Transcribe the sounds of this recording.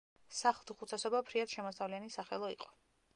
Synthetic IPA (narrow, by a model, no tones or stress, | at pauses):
saχlˠd̪uχut̪ʰasɔbapʰɾiat̪ʃɛmɔst̪avlianisaχɛ̰lˠɔḭqʼɔ̥